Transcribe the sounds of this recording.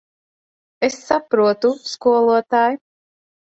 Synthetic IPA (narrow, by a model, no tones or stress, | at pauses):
esːapɾuɔt̪uskuɔlˠuɔt̪aːj